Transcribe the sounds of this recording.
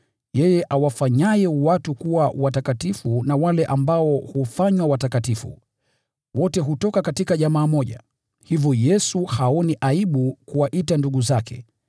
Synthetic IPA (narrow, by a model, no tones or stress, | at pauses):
jɛjɛʔawafaɲajɛwatukuwawatakatifunawalɛʔambaɔhufaɲwawatakatifṵ | wɔtɛɦutɔkakatikaʄamaːmɔʄa̰ | hivjɔjɛsuhaɔniʔaiɓukuwaʔitanduɠuzakʰɛ̰